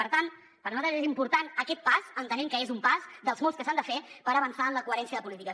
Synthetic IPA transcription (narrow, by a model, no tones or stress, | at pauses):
əɾt̪an | pəɾnuat̪ɾəzezimpuɾt̪anəkɛt̪̚paz̥ənt̪ənɛmkəezumpazd̪əlˠzmɔlˠskəsand̪əfepəɾəβənsaənləkuəɾɛnsiəðəpulit̪ikə